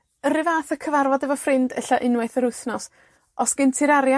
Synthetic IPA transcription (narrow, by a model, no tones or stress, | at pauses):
əɾɪvaːθəkʰəvarvɔdɛvɔfrɪndəɬaʔɪnwajθəɾʊjθnɔs | ɔsɡ̥ɪntʰɪɾaɾja